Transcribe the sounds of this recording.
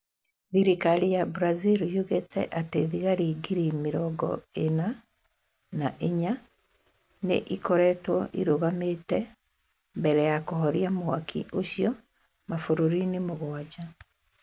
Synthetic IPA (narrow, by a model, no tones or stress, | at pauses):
ðiɾikaɾijabɾaziɾjuɣetɛ̰ʔateðiɣaɾiɡiɾimeɾɔɡɔ̰ena | naʔeɲa | nḛʔikɔɾɛtwɔʔḭɾoɣametɛ | mbɛɾɛjakohɔɾjamwakʰḭʔoɕiɔ | mafoɾoɾinemoɣwad͡ʑa